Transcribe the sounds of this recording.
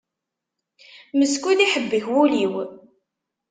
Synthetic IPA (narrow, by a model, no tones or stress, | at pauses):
məskʷuðiħəbːəçwuliw